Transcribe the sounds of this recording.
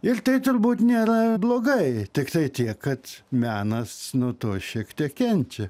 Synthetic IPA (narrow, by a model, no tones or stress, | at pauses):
ɪrt̪ɐɪt̪ʊɾbuːt̪nʲeːɾɐblˠoːɡɐɪt̪ʲɪkt̪ɐɪt̪ʲiɛkkɐt̪mʲæːnɐsnuɔt̪oːʃʲiɛkt̪ʲiɛkkʲɛnʲt͡ʃʲɛ